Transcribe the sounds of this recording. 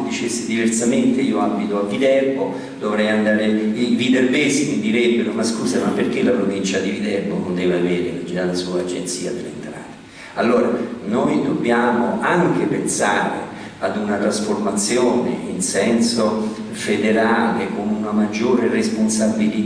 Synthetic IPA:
d̪it͡ʃesːed̪iversament̪eiːoabːit̪oavːid̪ɛrbo | d̪ovɾɛjand̪aːɾeivid̪ɛrvɛsimid̪iɾebːeɾomaskuːsamapːerk̟elapɾovint͡ʃad̪ivid̪ɛrbono̰nd̪ɛːveavɛːɾemad͡ʒialasuːaːd͡ʒḛnt̪siːa̰t̪ɾaḛnt̪ɾa̰ːt̪e̥ | alːoːɾanojd̪obːjaːmoʔaŋk̟epensaːɾḛ | ad̪unat̪ɾasformat̪sːjoːnḛinsɛnso | fed̪eɾaːlekonunamad͡ʒːoːɾeresponsabili

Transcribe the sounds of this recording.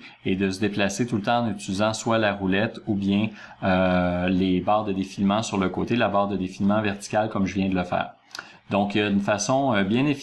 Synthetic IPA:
ed̪əs̬əd̪eplaset̪ult̪ɑ̃ɑ̃nyt͡sylizɑ̃swalaʁulɛt̪ubjɛ̃ | ølebɑːʁd̪əd̪efilmɑ̃syʁləkoːt̪elabɑːʁd̪əd̪efilmɑ̃vɛʁt̪i̥kʲalkɔmʒəvjɛ̃d̪ələfɛ̰ːʁ | d̪ɔ̃kjaynfasɔ̃bjɛ̃nef

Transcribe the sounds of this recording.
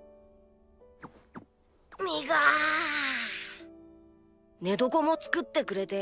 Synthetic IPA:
mʲiɡa | ne̞d̪o̞ko̞mot͡sɨ̥kɯ̟t̪ːe̞kɯ̟ɾe̞t̪e̞

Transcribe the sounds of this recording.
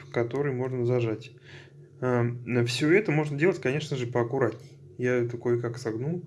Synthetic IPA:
kɐt̪o̞ɾɨjmo̞ʐnəzɐʐatʲ | aəfsʲɵɛt̪əmo̞ʐnədʲelˠətʲkɐnʲe̞ʂnəʐɨpəɐkʊɾat̪nʲɪ | jat̪ɐkojkaksɐɡnu

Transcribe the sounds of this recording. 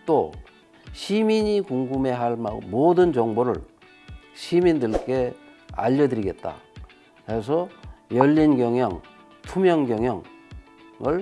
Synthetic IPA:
t͈o | ɕʰimiɲikuŋɡume̞ɦaɭma̰modɯnd͡ʑʌŋboɾɯ̰ɭ | ɕʰimindɯɭk͈e̞ | a̰ʎːʌdɯɾiɡe̞t̚t͈a̰ | kes̬ʰʌjʌʎːinɡjʌŋjʌŋ | tʰumjʌŋɡjʌŋɦjʌŋ | ɯɭ

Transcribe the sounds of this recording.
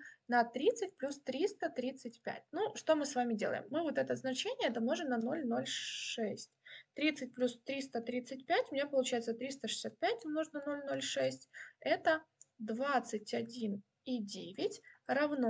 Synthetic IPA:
nɐt̪ɾʲit̪sɨt̚ʲplʲust̪ɾʲist̪ət̪ɾʲit̪sɨt̚ʲpʲæ̰t̚ʲnuʂt̪o̞mɨsvamʲɪdʲe̞lˠə̰jɪ̰mːɨvot̪ɛt̪əznɐt͡ɕenʲɪjəɛt̪əmno̞ʐɨnɐno̞lʲno̞lʲʂɛsʲtʲt̪ɾʲit̪sɨt̚ʲplʲust̪ɾʲist̪ət̪ɾʲit̪sɨt̚ʲpʲætʲʊmɪnʲepəlˠʊt͡ɕæjɪt̪sət̪ɾʲist̪əʂɨ̥sʲat̪̚pʲæt̚ʲmnoʐnɐno̞lʲno̞lʲʂɛsʲtʲɛt̪əd̪vat̪sɨt̚ʲɐdʲin | idʲevʲɪtʲɾɐvno

